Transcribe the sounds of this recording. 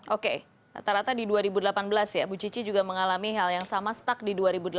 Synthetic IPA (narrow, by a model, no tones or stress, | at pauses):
ʔoke | a̰t̪aɾat̪adiduaɾibudəlapanbəlasjabut͡ʃit͡ʃid͡ʒuɡaməŋalamiɦaljaŋsamasə̥t̪ak̚diduaɾibudəl